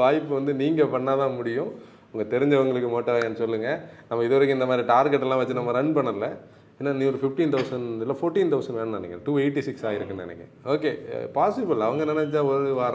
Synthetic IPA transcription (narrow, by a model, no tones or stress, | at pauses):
ʋaːjɪpːɯʋɐnd̪ɯniːŋɡɐpɐɳːaːt̪ãːmʊɽɪjʊ̃ | ʊŋɡɐt̪ɛɾɪɲd͡ʒɐʋɐŋɡɐɭɯkːɯmoːʈːɐɾaːjɐnːɯsɔlːɯŋɡɐnɐmːɐɪðɯʋɐɾɯkːɪnd̪ɐmaːd̪ɾiʈaːɾɡɛʈːɛlːãːʋɐt͡ʃːɪnɐmaːɾɐɳpɐɳːɐɯlɐ | enːaːnĩɔɾɯfɪfʈiːnt̪ɐʊsɐɳɪlːaːfoːɾʈːiːnt̪ɐʊsɐɳʋeːnɐnɐnɛ̰kːʈuːeɪʈːisɪksaːjɪɾɯkːɐɐ̰nɛ̰kːɛ̰̃ | oːkeːpaːsɪbɪlɐʋɐŋɡɐnɛnɛt͡ʃːaːɔɾɯɯʋaːɾ